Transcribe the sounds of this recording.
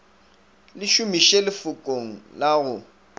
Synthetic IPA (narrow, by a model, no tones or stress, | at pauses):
lɪʃʊmiʃelɪfʊkʼoŋ̩laɣʊ